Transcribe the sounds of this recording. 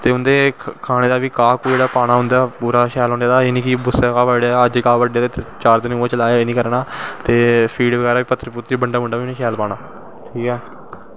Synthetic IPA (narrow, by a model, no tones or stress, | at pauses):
t̪eːʊnd̪eːkʰaːɽ̃eːd̪aːʋiːkaːkoːd͡ʒeːɽaːpaːɽaːɦʊ̃nd̪aːpuːɾaːkʰɛːlɦõːnaːd̪aːenĩːkibʊst̪aːkaːʋəɖaːəd͡ʒkaːʋəɖaːeːt̪et͡ʃaːɾd̪ɪnːt͡ʃəlaːaeːnĩːkəɾnaːt̪eːpʰiːɖʋəɡɛːɾaːʋiːpət̪ːɾpʊt̪ːiːbəɳɖaːmʊɳɖaːʋinĩːkʰɛːlpaːnaː | ʈʰiːkɛː